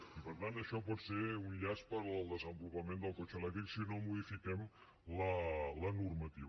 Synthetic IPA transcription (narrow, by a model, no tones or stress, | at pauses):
ipəɾt̪ant̪əʃɔpɔt̪seunʎaspəɾəlˠd̪əzəmbulupəmend̪əlˠkot͡ʃəlɛk̚t̪ɾiksinomuðifikɛm | lələnurmət̪iβ